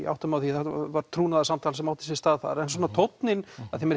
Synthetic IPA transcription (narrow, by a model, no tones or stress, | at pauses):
a̰wht̪ʏmawθiθavaɾ̥t̪ʰɾuːnaðasamt̪ʰaːlsɛmawht̪ɪ̥s̬ɛst̪aːðθa̰ɾɛns̬ɔːnat̪ʰowt̪nɪnaðθimɛɾ